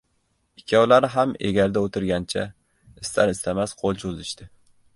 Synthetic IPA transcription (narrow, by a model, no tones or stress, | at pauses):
ɪkʲʰːawlaɾɪɦamḛɡʲaɾd̪aot̪ʰɪɾɡʲant͡ʃʰa | ɪst̪ʰaɾɪst̪ʰamasqʰolˠt͡ʃʰozɪʃt̪ɪ